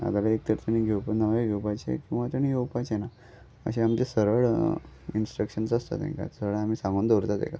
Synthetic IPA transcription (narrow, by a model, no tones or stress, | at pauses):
a̰d̪alaek̚t̪əɾt̪əñiɡʱewpnəʋeɡʱewpat͡ɕḛkĩw̃ʋat̪əɳ̃iɡʱewpajt͡ɕena | ə̰ɕẽamt͡ɕesəɾəɭ | insʈɾəkɕənsəst̪a̰t̪ḛ̃ŋka̰səəɭam̤iːsãŋɡuːnd̪oɾt̪at̪ḛka